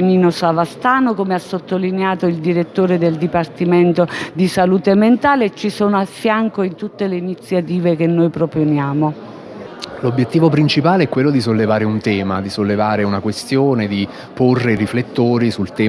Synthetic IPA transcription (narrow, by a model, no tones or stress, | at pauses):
niːnosavast̪aːnokomeasːot̪ːolineaːt̪oild̪iɾet̪ːoːɾed̪eld̪ipart̪iment̪od̪isaluːt̪ement̪aːlet͡ʃːisoːnoafːjaŋkoint̪ut̪ːeleinit̪sːjat̪iːvekenːojpɾoponjaːmo | lobjet̪ːiːvopɾint͡ʃipaːleɛkːwelːod̪is̬olːevaːɾeunt̪ɛːma̰d̪isolːevaːɾeunakwest̪joːned̪i | porːeriflet̪ːoːɾisult̪ɛː